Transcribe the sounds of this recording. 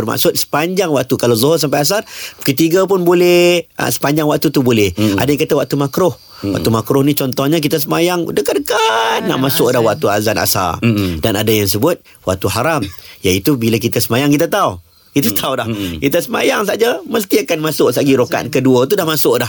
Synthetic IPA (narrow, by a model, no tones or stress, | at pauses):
bərma̰ʔsʊt̪̚sə̥paɲd͡ʒaŋwaʔ̚t̪ukalawzɔɦʊrs̬ampajas̬arkət̪iɡap̬ʊnbolɛə̰sə̥paɲd͡ʒaŋwaʔ̚t̪ut̪ubolɛha̰dajaŋkat̪awaʔ̚t̪umakɾʊh | wa̰ʔt̪umakɾʊhnit͡ʃɔnt̪ɔhɲak̬it̪as̬əmajaŋdəkadəkanːa̰ʔmasʊʔdahwaʔ̚t̪ua̰zana̰sa̰rdanadajaŋs̬əbʊt̪̚ | wa̰ʔ̚t̪uɦaɾamjait̪ubilak̬it̪asəmajaŋkit̪̬at̪au | kit̪at̪ʰauwdahkit̪asəma̰jaŋs̬ad͡ʒaməst̪iakanmasʊʔsaɡiɾoka̰t̪̚kəduət̪udahmasʊʔdah